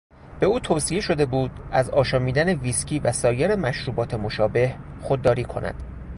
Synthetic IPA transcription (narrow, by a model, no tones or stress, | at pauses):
b̥e̞uːt̪ʰoːsie̞ʃo̞d̪e̞buːd̪̥æzɒːʃɒːmiːd̪æne̞viːscʰiːvæsɒːjeɾe̞mæʃɾuːbɒːt̪ʰe̞mo̞ʃɒːbe̞hxo̞d̪̚ːɒːɾiːkʰo̞̰næ̰d̪̥